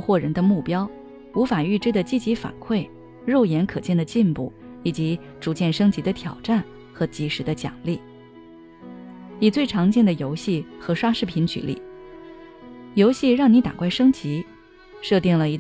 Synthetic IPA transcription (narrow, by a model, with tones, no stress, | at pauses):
xwɔ˥˩ɻə˧˥nd̪ə˧mu˥˩pjɑ˥ʊ | u˧˥fa˨˩y˥˩ʈ͡ʂɻ̩˥d̪ə˨t͡ɕi˥˩t͡ɕi˧˥fa̰˨˩nkʰwe˥˩ɪ | ɻo˥˩ʊjɛ˧˥nkʰɤ˨˩t͡ɕjɛ˥˩nd̪ə˩t͡ɕi˥˧npu˥˩ | i˨˩t͡ɕi˧˥ | ʈ͡ʂu˧˥t͡ɕjɛ˥˩nʂɤ˥ŋt͡ɕi˧˥d̪ə˧t̪ʰjɑ˨˩ʊʈ͡ʂa˥˩n | xɤ˧˥t͡ɕi˧˥ʂɻ̩˧˥d̪ə˧t͡ɕjɑ̰˨˩ŋli˥˩ | i˨˩t͡swe˥˩ɪʈ͡ʂʰɑ˧˥ŋt͡ɕjɛ˥˩nd̪ə˩jo˧˥ʊɕi˥˩xɤ˧˥ʂwa˥ʂɻ̩˥˩pʰi˧˥nt͡ɕʰy̰˧˥lḭ˨˩˦ | jo˧˥ʊɕi˥˧ɻɑ˥˩ŋni˧˥t̪a̰˨˩kwa˥˩ɪʂɤ˥ŋt͡ɕi˧˥ | ʂɤ˥˧t̪i˥˩ŋlə˩i˧˥